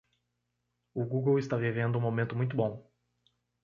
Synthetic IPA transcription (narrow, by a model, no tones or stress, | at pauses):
ʊɡuɡowɪst̪avivẽnd̪ʊũmomẽnt̪ʊmũj̃t̪ʊbõ